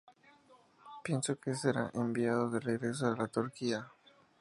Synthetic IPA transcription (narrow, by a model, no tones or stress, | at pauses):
pje̞nso̞kese̞ɾa̰ʔembiað̞oðereɣɾe̞s̬oalat̪oɾkia